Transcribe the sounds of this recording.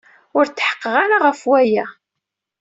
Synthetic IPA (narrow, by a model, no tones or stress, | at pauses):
ʊɾt͡sːħə̥qːəʁaɾaʁəfwæjæ